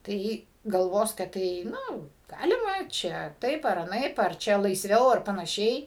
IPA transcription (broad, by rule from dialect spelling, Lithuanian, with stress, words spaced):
tɐɪ ˈjɪ ɡɐlˠˈʋoːs kɐt ˈtɐɪ ˈnʊ ˈɡɑːlʲɪmɐ t͡ʃʲɛ ˈtɐɪp ɐr ɐˈnɐɪp ɐr ˈt͡ʃʲɛ lˠɐɪsʲˈʋʲɛʊ ɐr pɐnɐˈʃʲɛɪ